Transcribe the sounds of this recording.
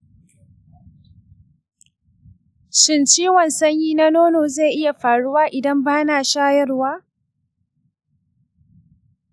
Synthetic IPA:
ʃɪ˦nt͡ʃiː˦wɐ˨nsɐ˦ɲjiː˦na˦noː˦noː˨ze˦˨ʔɪ˦ja˨ɸaː˨ɽʊ˦waː˦ʔɪ˨dɐ˦mbaː˦naː˨ʃaː˦jɐ˦rwaː˦

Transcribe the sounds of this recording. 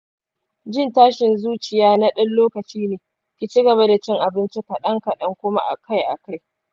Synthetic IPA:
d͡ʒɪ˦˨ntaː˦ʃɪ˨nzuː˦t͡ʃɪ˨jaː˦na˦ɗɐ˦nloː˦kɐ˨t͡ʃiː˦neː˨ | kʲi˨t͡ʃi˦ɡɐ˨βa˦da˨t͡ʃɪ˦ŋʔa˨bɪ˦nt͡ʃi˦ka˨ɗɐ˦ŋkɐ˨ɗɐ˦ŋkʷʊ˦ma̰˦ʔa̰˨ka˦jʔa̰˨ka˦j

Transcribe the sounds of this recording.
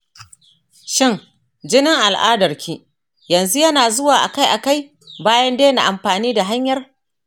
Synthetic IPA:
ʃɪ˦ŋ | d͡ʒɪ˦nɪ˦ŋʔa˨lʔa̰ː˦dɐ˨rkʲʰiː˦ | jɐ˨nzu˦jɐ˦naː˨zʊ˦waː˨ʔa̰˨ka˦jʔa˨ka˦j | baː˦jɐ˦ndeː˦na̰˨ʔa˨mɸaː˨niː˦da˨ɦa˦ɲjɐ˦r

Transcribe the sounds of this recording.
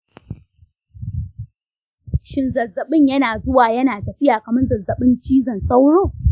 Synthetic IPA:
ʃɪ˦nzɐ˨zːɐ˨ɓɪ˦˨ɲjɐ˦naː˨zʊ˦waː˨jɐ˦naː˨tɐ˨ɸɪ˦jaː˨kɐ˨mɪ˦nzɐ˨zːɐ˨ɓɪ˦nt͡ʃiː˦zɐ˨nsa˦wɽoː˦˨

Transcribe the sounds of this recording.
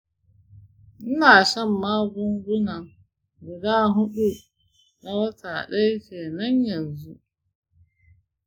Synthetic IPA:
n̩˦na˨ʃa˦m̩˨ma˦ɡʊ˦ŋ˦ɡʊ˦nã˨ŋ | ɡʊ˨daː˦ɦʊ˦ɗu˦˨ | na˦wa˦tʰa˨ɗa˦fe˨nã˦ɲ˦ja˨n˨zu˦

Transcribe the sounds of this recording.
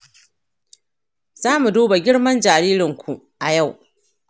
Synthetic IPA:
z̥aː˦mu˨doː˦ba˨ɡʲɪ˦ɽmɐ˦nd͡ʒaː˨ɾiː˦ɾɪ˨ŋkʷu˨ | ʔa˨ja˦˨w

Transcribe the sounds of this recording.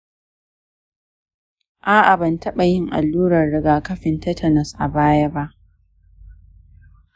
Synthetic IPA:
ʔaː˦ʔa˨bɐ˨ntɐ˦ɓa˨jɪ˦ŋʔa̰˨lːuː˦ɾɐ˨rːɪ˦ɡaː˨kɐ˦ɸɪ˨ntɐ˦tʰɐ˨nɐ˨sʔa˨baː˦ja˦ba˦ʔ

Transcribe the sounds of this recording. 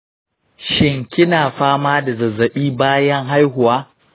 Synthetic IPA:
ʃɪ˦ŋkʲɪ˦naː˨ɸaː˦maː˦da˨zɐ˨zːɐ˨ɓiː˦baː˦jɐ˦ŋɦa˦jɦʊ˨waː˦

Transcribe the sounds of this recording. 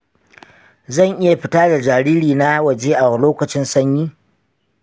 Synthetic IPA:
zɐ˦˨ŋʔɪ˦ja˨ɸɪ˦taː˦da˨d͡ʒaː˨ɾiː˦ɾiː˨na˦wɐ˨d͡ʒeː˦ʔa˨wa˨loː˦kɐ˨t͡ʃɪ˦nsɐ˦ɲjiː˦

